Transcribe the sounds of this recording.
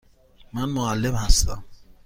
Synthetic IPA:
manʊalɪbasa̰

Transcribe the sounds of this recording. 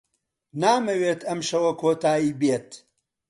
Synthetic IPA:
naːmɐweːt̪ʰɐmʃɐwɐkʰoːt̪aːiːbeːt̪

